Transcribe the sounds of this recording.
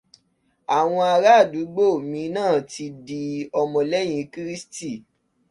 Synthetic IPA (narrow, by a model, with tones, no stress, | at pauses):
a˨w̃ɔ̃˧a˧ɾa˦˨du˨˦ɡ͡bo˦˨mĩ˨˧˦nãː˦˨tʰi˧di˧ɔ˧mɔ̃˧lɛ˦j̃ĩ˨˧˦ki˦ɾi˦sti˦˨